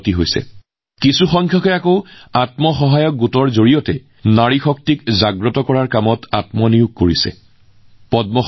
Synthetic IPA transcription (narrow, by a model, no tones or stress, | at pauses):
tiɦojsɛ̰ | kisuxɔŋkʰjɔkɛakoʊatmɔxɔɦajɔk̚ɡutɔɹzoɹijɔtɛ | naɹixɔk̚tikzaɡɹɔtɔkɔɹaɹkamɔtatmɔnijuɡ̚koɹisɛ̰ | pɔdmɔ